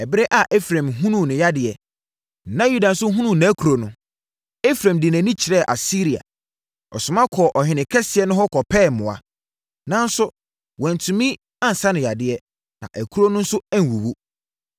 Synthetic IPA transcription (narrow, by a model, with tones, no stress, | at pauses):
ɛ˨bɪ˦ɾɛ˦ʔa˨ʔɛ˦fɾã˨mɦũ˦nũ˨nɪ̃˨ja˦dɪ˨ɛ˨ | nã˦ju˦da˨n̩˨˦sʊ˦ɦũ˦nũ˦˨nã˨˦kʰu˨ɾo˨nʊ̃˦ | ɛ˦fɾã˨mdɪ˨næ̃˨nĩ˦t͡ɕʰɪ˨ɾɛ˦˨ʔa̰˨si˦ɾi˨a̰˨ | ɔ̰˨sʊ˨mã˦kʰɔ˨ʔɔ˨hɪ̃˨nɪ̃˨kʰɛ˦sɪ˨ɛ˨˦nʊ̃˦ɦɔ˦kʰɔ˨pʰɛː˦˨mʊ̃˨a̰˨ | nã˦n˦sʊ˦ | wɔ̃˨n˨tʰũ˨mĩ˦ | ã˦n̩˨sa˦nɪ̃˨ja˨dɪ˨ɛ˦ | nã̰˨ʔæ˨kʰu˦ɾo˦nʊ̃˦n̩˦sʊ˦ɛ˦n̩˨wu˨wu˦